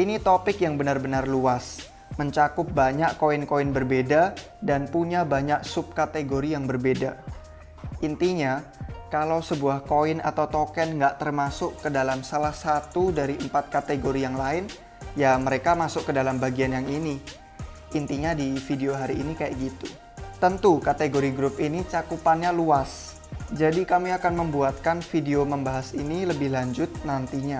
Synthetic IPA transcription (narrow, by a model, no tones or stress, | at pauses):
ʔinit̪opɪkjaŋbənarbənarluas | məɲt͡ʃakʊp̚baɲaʔkoɪnkoɪnbərbeda | danpuɲabaɲak̚sʊp̚kat̪eɡoɾijaŋbərbeda | int̪iɲakalawsəbuahkoɪna̰t̪awt̪okɛnŋɡaʔt̪ərmasʊkədalamsalahsat̪udaɾiəmpat̪̚kat̪eɡoɾijaŋlaɪn | jaməɾekamasʊkkːədalambaɡianjaŋini | ʔint̪iɲadifideoɦaɾiːnikaja̰ʔɡit̪u | t̪ənt̪ukat̪eɡoɾiɡɾʊp̚init͡ʃakupanɲaluas | d͡ʒadikamiakanməmbuat̪̚kanfideoməmbaɦasiniləbɪhlaɲd͡ʒʊt̪̚nant̪iɲa